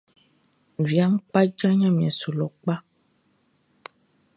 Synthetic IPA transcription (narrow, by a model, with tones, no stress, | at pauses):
vja˨˦ŋ˦k͡pa˦d͡ʒa˦ɲã˦mĩ˨ɛ˨so˨lɔ˨k͡pa˦